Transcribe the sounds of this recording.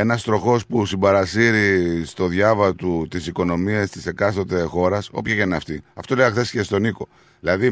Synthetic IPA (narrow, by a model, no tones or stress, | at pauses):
e̞nɐst̪ɾo̞xo̞spusimbɐɾɐsiɾist̪o̞ðʝɐvɐt̪ut̪isiko̞no̞miɐst̪ise̞kɐst̪o̞t̪e̞xo̞ɾɐso̞pçɐʝɐnɐft̪iɐft̪o̞lejxθe̞sce̞st̪o̞niko̞ | ðilɐði